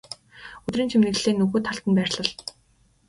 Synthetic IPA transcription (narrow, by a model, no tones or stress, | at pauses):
ɵt̪riːnt͡ɕʰimnɘ̆ɣɮeːnɵɣoːt̪ʰaɬt̪ə̆npæːrʲɮə̆ɮ